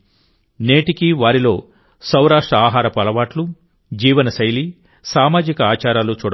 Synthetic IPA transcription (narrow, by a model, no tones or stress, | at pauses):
neːʈikiʋaːɾilo̞ː | sɐwɾaːʂʈɾɐaːɦaːɾɐpɐlɐʋaːʈlu | d͡ʒiːʋɐnɐsɐjli | saːmaːd͡ʒikɐaːt͡ʃaːɾaːlut͡ʃuːɽɐ